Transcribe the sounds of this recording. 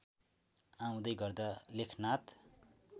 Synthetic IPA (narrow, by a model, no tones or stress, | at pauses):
aw̃d̪ʌjɡʌrd̪alekʰnat̪